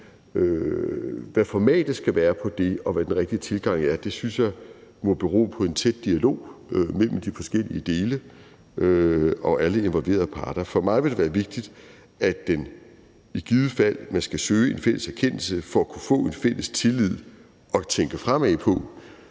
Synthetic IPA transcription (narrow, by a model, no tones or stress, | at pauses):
ø | ʋæfɒmɛ̰ːd̥sɡ̥æʋæːɐpʰɒ̽d̥e̝ɒ̽ʋæd̥enʁɛɡ̥̚d̥it͡sʰe̝lɡ̥ɑ̈ŋ̰æɐd̥e̝synsjɑ̈ɪmɒ̽b̥e̝ʁo̝̰ːpʰɒ̽e̝nt͡sʰed̥̚ːiælo̝̰ːømel̰m̩d̥ifɒ̽sɡ̥el̰iəd̥e̝ːlə | ʔøɒ̽ʔæləe̝nʋɒ̽lʋe̝̰ːɐð̩ˠpʰɑ̈ːd̥ɐfɒ̽mɑ̈ɪʋe̝d̥e̝ʋæːɐʋe̝ɡ̥̚d̥id̥ | ʔæd̥en | iɡ̥iðˠəfæl̰mænsɡ̥æsøːe̝nfel̰əsæɐkʰen̰l̩səfɒ̽ækʰufɔ̰̽ːe̝nfel̰əst͡sʰe̝lið̞̰ˠ | ʔɒ̽t͡sʰeŋɡ̥əfʁamɛpʰɒ̽